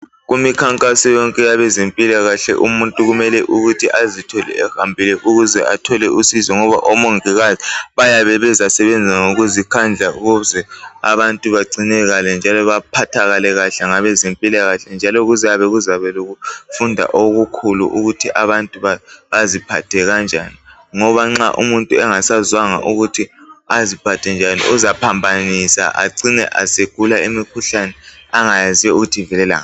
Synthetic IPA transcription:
ɣumikʰaŋkʼasɔjɔŋkʼɛjaβɛzempʼilaɣaɬɛ̰ʔṵmuntʼuɣumɛlɛʔuɣutʰiʔazitʰɔlɛ̰ɛhambʱilɛʔuɣuzɛʔatʰɔlɛʔusizɔŋɔβa̰ʔɔmoŋiɣaziβajaβɛβɛzasɛβɛnd͡zʱaŋoɣuzikʰand͡ɮʱauɣuzɛa̰βantʼuβaɡ͡ǀinɛɣalɛnd͡ʒʱalɔβapʰatʰaɣalɛɣaɬɛŋaβɛzempʼilaɣaɬɛnd͡ʒʱalɔɣuzɛaβɛɣuzaβɛloɣufundʱa̰ʔoɣukʰulṵʔuɣutʰiʔaβantʼuβaβazipʰatʰɛɣand͡ʒʱani | ŋɔβaŋ͡ǁa̰ʔṵmuntʼuɛŋasazwaŋa̰ʔuɣutʰiazipʰatʰɛnd͡ʒʱanḭʔuzapʰambʱanisa̰ʔa̰ǀinɛ̰ʔa̰seɡ̥ʱulaimikʰuɬanɛaŋajziɛuɣutʰivɛlɛla̰ːŋa

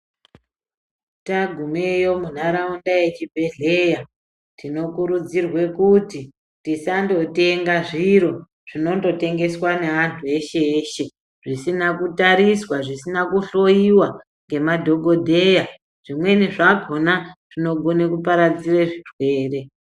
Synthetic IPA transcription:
taɡʱumejo̞mun̤aɾaundaje̞t͡ʃibʱe̞ɮe̞ja | tino̞kuɾud͡zirwe̞kuti | tisando̞te̞ŋɡaʐiɾo̞ | ʐ̥ino̞ndo̞te̞ŋɡe̞swane̞ʋantʰue̞ʃe̞ːʃe̞ | ʐisinakutaɾiswaʐisinakuɬo̞iwa | ŋɡe̞madʱo̞ɡʱo̞dʱe̞ja | ʐ̥imwe̞niʐaɡʱo̞naʐ̥ino̞ɡʱo̞nekupaɾad͡zireʐirwe̞ːre̞

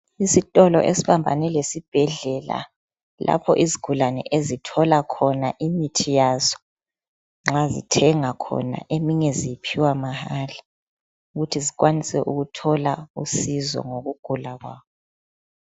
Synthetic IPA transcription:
isitʼɔlɔ̰ʔesiβambʱa̰nɛlesib̥ʱɛɮɛla̰ | lʔa̰pʰɔʔiziɡ̥ʱulanɛ̰ʔezitʰɔlakʰɔnaʔimitʰijazɔ̥ | ŋ͡ǁazḭtʰɛŋakʰɔ̰na̰ʔemiŋɛzijipʰiwamahaːla | uɣutʰiziɣwanisɛʔuɣutʰɔlausizɔ̰ŋoɣuɡ̥ʱulaɣwaːβɔ

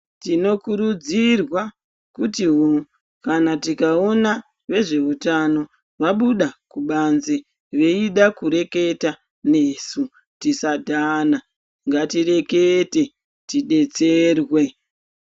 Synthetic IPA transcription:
tino̞kuɾud͡zirwa | kutiɦo | kanatikao̞na | ʋe̞ʐe̞utano̞ | ʋaɓuɗakuɓanze | ʋe̞iɗakuɾe̞ke̞ta | ne̞su | tisadʱana | ŋɡatire̞kete̞ | tiɗe̞t͡se̞rwe

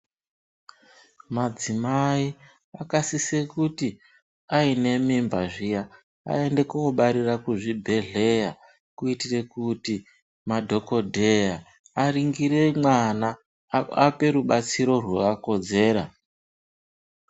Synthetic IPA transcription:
mad͡zimai | akasise̞kuti | aine̞mimbaʐija | a̰e̞nde̞kooɓaɾirakuʐibʱe̞ɮe̞ja | kuitire̞kuti | madʱo̞ko̞dʱe̞jaː | riŋɡiɾe̞mwana | ape̞ɾuɓat͡siɾo̞rwokako̞d͡ze̞ːɾa̰

